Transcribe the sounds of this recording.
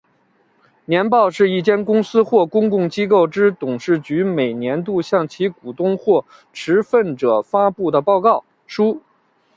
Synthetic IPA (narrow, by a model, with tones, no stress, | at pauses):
njɛ˧˥npɑ˥˧ʊʂɻ̩˥˧i˥˩t͡ɕjɛ˥nkʊ˥ŋsɹ̩˥xwɔ˥˩kʊ˥ŋkʊ˥˩ŋt͡ɕi˥ko˥˩ʊʈ͡ʂɻ̩˥t̪ʊ˨˩ŋʂɻ̩˥˩t͡ɕy˧˥me˨˩ɪnjɛ˧˥nt̪u˥˧ɕjɑ˥˩ŋt͡ɕʰi˧˥ku˨˩t̪ʊ˥ŋxwɔ˥˩ | ʈ͡ʂʰɻ̩˧˥fə˥˩nʈ͡ʂɤ˨˩fa˥pu˥˩d̪ə˩pɑ˥˧ʊkɑ˥˩ʊ | ʂu˥